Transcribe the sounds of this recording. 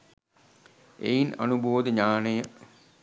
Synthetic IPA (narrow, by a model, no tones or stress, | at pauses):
ḛjinɐ̰nuboːd̪əɲaːnəjə